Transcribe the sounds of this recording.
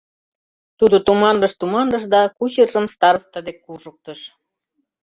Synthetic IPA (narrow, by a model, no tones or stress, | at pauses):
t̪ud̪ot̪umɑnlə̆ʃt̪umɑnd̪ɤʃd̪ɑkut͡ɕərʒə̆mst̪ɑɾəst̪əd̪ekːuʒə̆k̚t̪ə̆ʃ